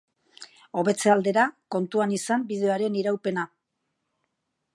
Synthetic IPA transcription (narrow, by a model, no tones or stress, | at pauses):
o̞βe̞t͡se̞ald̪e̞ɾako̞nt̪uanisambið̞e̞oaɾe̞niɾawpe̞na